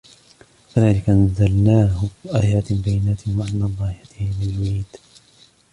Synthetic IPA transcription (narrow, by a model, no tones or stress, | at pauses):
faðaːlɪkaʔnazalnaːhʊʔaːjaːt̪bajːɪnaːt̪ɪhwaʕanːɑd̪ˤɑːhɪjat̪ɪhamɪljʊʕiːd̪̥